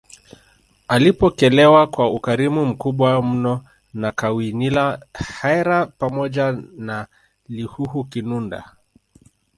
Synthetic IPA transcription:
alipɔkɛlɛwakwaukaɾimum̩kuɓwam̩nɔ | nakawinilahajɾapamɔʄana | lihuhukinunda̰

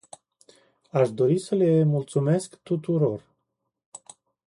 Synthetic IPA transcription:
aʃd̪o̞ɾisəle̞mult̪sume̞skt̪ut̪uɾo̞r

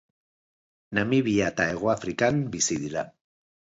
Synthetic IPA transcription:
namiβiat̪aeɣoafɾikambisiðiɾa

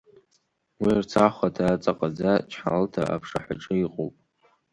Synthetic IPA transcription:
wirt͡sʰaχʷatʰaːt͡sʼaqʼad͡zat͡ʃʰħa̰ltʰa̰ʔa̰pʰʂa̰ħʷaʈ͡ʂʼɨiqʼo̰wpʼ

